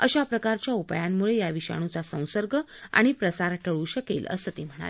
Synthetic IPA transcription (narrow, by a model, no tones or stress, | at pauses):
əɕapɾəkaɾt͡ɕjaupajamːuɭejaʋiɕa̰ɽ̃ũt͡sasə̃w̃səɾɡʱə | a̰ɽ̃ipɾəsaɾʈʰəɭuɕəkḛlə̰sət̪em̤əɽ̃a̰l